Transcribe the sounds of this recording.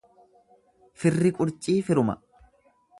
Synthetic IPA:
fɪrːɪkʼʊɾt͡ʃʼiːfɪɾʊmɐ̰

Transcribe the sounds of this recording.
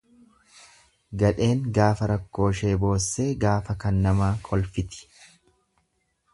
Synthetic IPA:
ɡɐᶑe̞ːŋɡaːfɐɾɐkːo̞ːʃe̞ːbo̞ːsːe̞ːɡaːfɐkɐnːɐmaːkʰɔlfɪt̪ɪ̥

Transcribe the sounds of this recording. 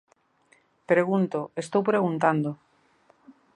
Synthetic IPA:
pɾeɣ̞unt̪oest̪owpɾeɣ̞unt̪and̪o

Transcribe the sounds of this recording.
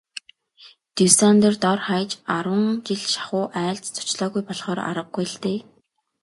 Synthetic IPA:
t̪usant̪ə̆rt̪ɔrχajt͡ɕaɾwə̆ŋt͡ɕiɮʃḁχʊːʔæːɮt͡st͡sʰʊ̥t͡ɕɮɔːɣujpɔɮχɔːɾa̰ɾə̆ɡ̚ɡujɪɬt̪eː

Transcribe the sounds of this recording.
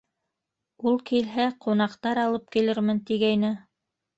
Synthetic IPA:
ulˠkilɦæqunɑqt̪ɑɾɑlˠɤp̚kilɘɾmɘnt̪iɡæjnɘ

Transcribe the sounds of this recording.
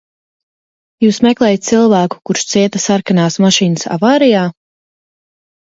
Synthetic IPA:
juːsmɛklˠɛːjt̪̚silˠvæːku̥kuɾʃt̪siɛt̪ɐsaɾkanaːsmaʃiːnəsa̰vaːɾijaː

